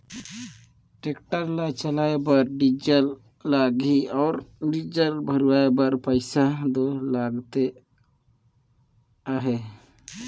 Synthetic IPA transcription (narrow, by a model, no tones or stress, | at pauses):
ʈekʈəɾlat͡ʃəlaebaɾɖid͡ʒəlː | aɡiɔʊɾɖid͡ʒəlbʱəɾuwaebəɾpəjsad̪ɔlaɡt̪e | aɦe